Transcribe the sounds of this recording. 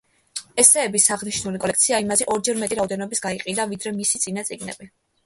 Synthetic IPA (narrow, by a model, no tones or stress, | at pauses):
ɛsɛːbisaʁniʃnulikʼɔlɛkʰt̪sʰiaimazɛʔɔɾd͡ʒɛɾmɛt̪ʼiɾaɔd̪ɛnɔbisɡ̥aiqʼid̪avid̪ɾɛmisit̪sʼinat̪sʼiɡnɛ̰bi